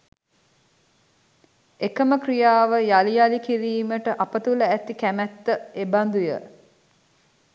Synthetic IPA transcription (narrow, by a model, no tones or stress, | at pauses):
ekəməkrijaːʋəjalijalikiɾiːməʈəʔapət̪uləæt̪ikæmæt̪ːəeband̪ujə̰